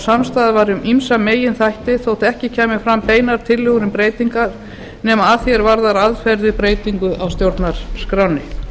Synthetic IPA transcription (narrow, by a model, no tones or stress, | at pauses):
samst̪aːðavaɾɪʏmimsameːjɪnθajht̪ɪθowt̪ɛhcɪcʰaːmɪfɾampeːjnaɾ̥t̪ʰɪlːʏɣɾɪmpɾeːjt̪iŋkaɾ̥ | nɛmaaθjɛɾvaɾðaɾaðfɛɾðɪpɾeːjt̪iŋkʏʔawst̪jowɾt̪naɾ̥skɾawnɪ